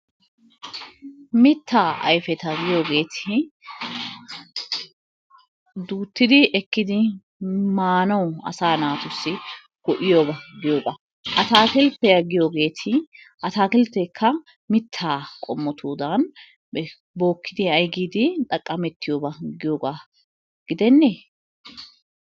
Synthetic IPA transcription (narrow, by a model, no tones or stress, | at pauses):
mɪt̪ːaːʔɐ̰jfɛt̪ɐɡɪjo̞ːɡe̞ːt̪ʰɪ | d̪uːt̪ːɪd̪ɪʔɛkːɪd̪ɪ | maːnɐwɐ̰saːnaːt̪ʊsːɪ | ɡ̥ɔʔɪjoːbɐɡɪjoːɡɐ | ʔɐt̪aːkɪlpɛjɐɡɪjoːɡe̞ːt̪ʰɪ | ʔɐt̪aːkɪlp̪ːɛkʰːɐ | mɪt̪ʰːaːkʼɔmːɔt̪ʰuːd̪ɐn | bo̞ːkːɪd̪ɪɐjɡiːd̪ɪᶑ̪ʼɐkʼːɐmɛt̪ːɪjoːbɐɡɪjoːɡa | ɡ̥ɪd̪ɛnːeː